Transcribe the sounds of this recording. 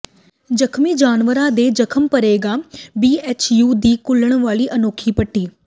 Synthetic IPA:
d͡ʒəkʰmiːd͡ʒaːnʋəɾãd̪eːd͡ʒəkʰəmpəɾeːɡaːbiːɛːt͡ʃjuːd̪iːkʊləɽ̃ʋaːliːʔɐnoːkʰipəʈʰːiː

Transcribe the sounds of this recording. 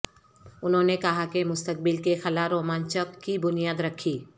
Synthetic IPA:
ʊnɦõːnekɐɦakemʊst̪ək̚bɪlkexɐlaɾoːmaːnt͡ʃəkːibʊnijaːd̪ɾɐkʰiː

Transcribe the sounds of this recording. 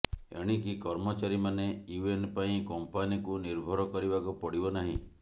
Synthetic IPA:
ḛɽ̃ikikɔɾmɔt͡ʃaɾimaneuenpaĩkɔmpanikuniɾbʱɔɾɔkɔɾibakupɔɽibɔnaɦḭ̃

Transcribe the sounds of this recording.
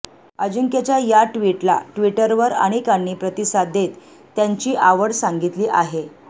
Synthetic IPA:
əd͡ʑuŋket͡ɕjajaʈʋiʈla̰ʈʋiʈəɾʋəɾa̰ɽ̃ikanːiːpɾət̪isad̪ʱet̪ː | jaɲt͡ɕiːʔaʋəɽsaŋɡit̪liːʔaɦe

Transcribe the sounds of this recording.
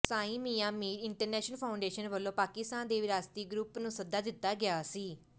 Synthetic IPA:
sãːĩːmiːãːmiːɾɪɳʈəɾnɛːʃnəlpʰaːʊɳɖeːʃənʋəlːõːpaːkɪst̪aːnd̪eːʋɪɾaːst̪iːɡɾʊpnũːsəd̪aːd̪ɪt̪ːaːɡɪaːsiː

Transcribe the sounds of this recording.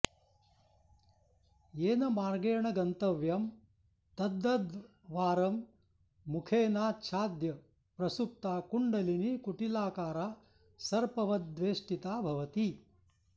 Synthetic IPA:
eːnɐmaːɾɡeːɳɐɡɐnt̪ɐʋjɐm | t̪ɐd̪ːɐd̪ | ʋaːɾɐmː | ukʰeːnaːt͡ʃʰaːd̪jɐ | pɾɐsup̚t̪aːkuɳɖɐlinikuʈilaːkaːɾaː | sɐɾpɐʋɐd̪ʋeːʂʈit̪aːbʱɐʋɐt̪i

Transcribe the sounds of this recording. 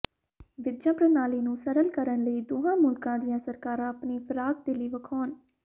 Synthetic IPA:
ʋɪd̪d͡ʒãːpɾənaːliːnũːsəɾəlkəɾənləiːd̪oːɦãːmʊlkãːd̪ɪjãːsəɾkaːɾãːəpniːpʰəɾaːɡ̚d̪eːliːʋəkʰɔːn

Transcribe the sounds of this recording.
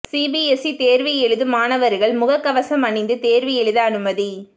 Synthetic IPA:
siːbiɛsit̪eːɾʋɪɛɭɯðɯmaːnɐʋɐɾɣɐɭmʊɣɐkːɐʋɐsɐmɐɳɪnd̪ɯt̪eːɾʋɪjɛɻɯðɐːnɯmɐði

